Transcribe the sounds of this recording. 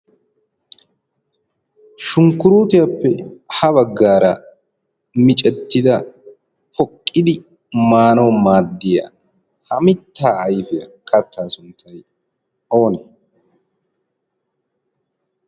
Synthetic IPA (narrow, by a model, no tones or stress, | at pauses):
ʃʊŋkːʊɾuːt̪ɪjɐpːɛhɐβɐɡːaːɾɐ̰ | mɪt͡ʃʼɛt̪ːɪd̪ɐ | hɔkʼːɪd̪ɪ | maːnowmaːd̪ːɪja̰ː | hɐmɪt̪ːaːjfɪjɐ̰kʰɐt̪ʰːaːsʊnt̪ʰːɐj | o̞ːnɛ